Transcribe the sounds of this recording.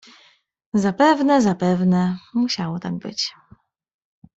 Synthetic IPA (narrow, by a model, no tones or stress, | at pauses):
zapɛvnɛzapɛvnɛmuɕawɔt̪aɡ̚bɘ̰t͡ɕ